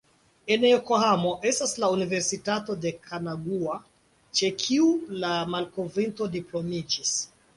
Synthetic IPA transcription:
enjokohamo̞ʔe̞staslaunive̞ɾsitato̞de̞kʰanaɡua | t͡ʃe̞kʰiulamalkovinto̞diplo̞mid͡ʒis

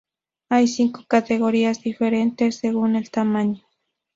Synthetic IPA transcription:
ajsiŋko̥kat̪eɣoɾiasd̪ifeɾent̪esːeɣunelt̪amaɲʊ̥

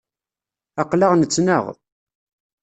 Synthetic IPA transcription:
ɑqlɑʁnət͡sːnə̰ʁ

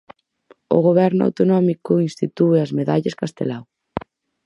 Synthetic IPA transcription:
o̰ɣoβɛɾnʊa̰wt̪onɔmikʊinst̪it̪ueɐzmeðaʎɐskast̪ḛlaw

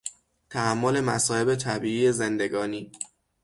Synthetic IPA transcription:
t̪ʰæhæmːole̞mæ̰sɒːhe̞bet̪ʰæbiːiːezend̪e̞ɡɒːniː

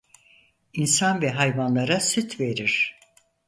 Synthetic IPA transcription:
insanvɛɦajvanlˠaɾasyt̪ʰve̞ɾiɾ̥

